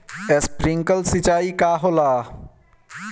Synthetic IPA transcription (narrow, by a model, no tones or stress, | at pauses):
espɾĩŋkəlsit͡ʃaːikaːɦolaː